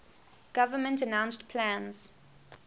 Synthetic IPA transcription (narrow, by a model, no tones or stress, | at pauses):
ɡ̥avəmə̃ntənãʊ̃nstpʰlãnz̥